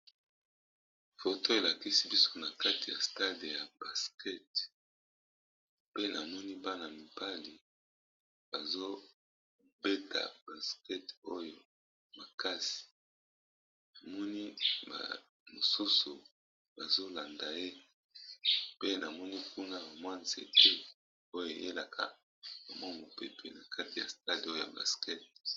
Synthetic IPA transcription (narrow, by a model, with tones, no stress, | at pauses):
fo˨tʰo˦e˨la˨ki˦si˦bi˦so̥˦na˨ka˦ti˨ja̰˨sta˦de˨ja˨ba˨skɛ˦t | pe˦na˨mɔ˦ni˦ba˦na˨mi˨ba˦li˨ | ba˨zo˦ | be˦ta̰˨b̥a˨skɛ˦to˦jo˨ | ma˨ka˦si̥˨ | na˨mɔ˦ni˦ba̰˨ | mo˨su˦su˨ | ba˨zo˦la˨nda˨je˦ | pe˦na˨mɔ˦ni˦kʰu˦na˦ba˨mwa˦nzḛ˨te˦ | o˦jo˨ḛ˨jḛ˦la˨kʰa̰˦ | bo˨mɔ˦˨mo˨pe˨pʰḛ˨na˨kʰa˦ti˨ja̰˨sta˦di˨˦o˦jo˨ja̰˨ba̰˨skɛ˦t̚